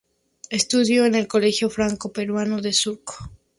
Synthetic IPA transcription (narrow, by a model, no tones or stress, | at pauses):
e̞st̪uðjo̞ene̞lko̞le̞xjo̞fɾaŋko̞pe̞ɾwano̞ðe̞suɾko̥